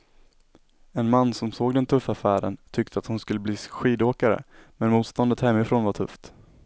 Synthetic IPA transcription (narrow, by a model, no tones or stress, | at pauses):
ɛnmanːsɔmsoːɡd̪ɛnt̪ʰɵfːafæːɾə̰nt̪ʰʏk̚t̪ʰəat̪hʊnskɵlːəbliːɧiːd̪oːkaɾə̰mɛnmuːt̪st̪ɔnd̪ət̪hɛmːɪfɾoːnvaʈʰɵ̰ft̪